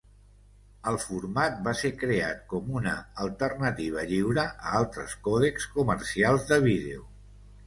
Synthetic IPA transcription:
əlˠfuɾmat̪̚basekɾeat̪̚kɔmunə̰əlˠt̪ərnət̪iβ̞əʎiwɾəəalˠt̪ɾəskɔð̞ekskuməɾsialˠzðəβ̞ið̞ḛu

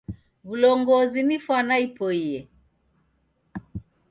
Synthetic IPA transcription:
βulɔŋɡɔzinifwanaipɔiɛ

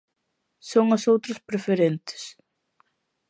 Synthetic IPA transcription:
sɔwŋasoːwt̪ɾʏspɾɛfɛɾɛnt̪ɪ̥s

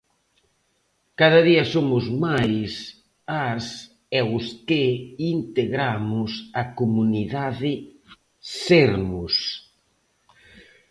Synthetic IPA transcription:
kaðɐðiɐsomʊzmajs | as | ɛʊskɪint̪eɣɾamʊsɐkomuniðaðɪ | seɾmʊs

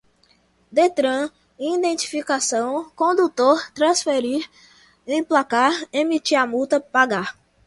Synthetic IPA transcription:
d̪et̪ɾɐ̃ | ĩd̪ẽnt͡ʃ̪i̥fikasɐ̃w̃kõd̪ut̪oɾt̪ɾɐ̃sfeɾiɾ | ẽj̃plakaɾemit͡ʃiamut̪ɐpaɡaɾ

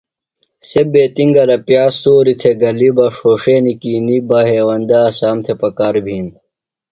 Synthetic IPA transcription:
sebeːt̪iŋɡɐlɐpjaːsoːɾit̪ʰeɡɐlibɐʂoːʂeːnikiːnibɐɦeːwɐnd̪aːsaːmt̪ʰepɐkaːɾbʱiːn

